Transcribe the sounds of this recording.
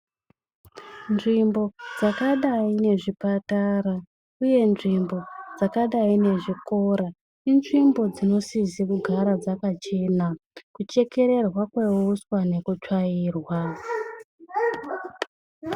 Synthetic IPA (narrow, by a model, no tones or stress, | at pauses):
nʐimbo̞d͡zakaɗaine̞ʐipataɾa | uje̞nʐimbo̞d͡zakaɗaine̞ʐiko̞ɾa | inʐimbo̞d͡zino̞sizikuɡʱaɾad͡zakat͡ʃe̞nakut͡ʃe̞ke̞ɾe̞rwakweuswane̞kut͡ʃwaiːrwa